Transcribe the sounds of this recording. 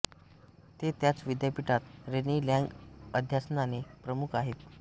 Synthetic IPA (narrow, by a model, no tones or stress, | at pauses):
t̪et̪jat͡sʋid̪japiʈat̪ɾeniljãŋɡəd̪ʱjasnanepɾəmukʰaɦet̪